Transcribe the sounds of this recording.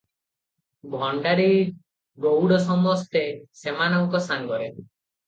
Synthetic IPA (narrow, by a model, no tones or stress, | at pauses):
bʱɔɳɖaɾi | ɡowɽɔsɔmɔst̪esemanɔwukɔsaŋɡɔɾe